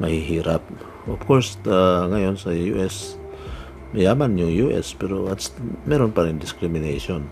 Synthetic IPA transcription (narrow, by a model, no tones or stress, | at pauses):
mahiɦiɾap̚ | ofkoɹsd̪aŋajonsajuʔes | mejamanjujuʔḛspeɾoatsmɛɾonpaɾiŋdiskɾimineson